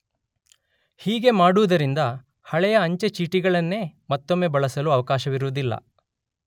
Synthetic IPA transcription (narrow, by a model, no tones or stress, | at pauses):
hiːɡe̞maːɽuʋɐd̪ɐɾind̪ɐ | hɐɭɛjɐːɲt͡ʃet͡ʃiːʈiɡɐɭɐnːe̞ːmɐt̪ːo̞mːe̞ːbɐɭɐsɐluːɐʋɐkaːʃɐʋiɾuʋud̪ilːɐ̰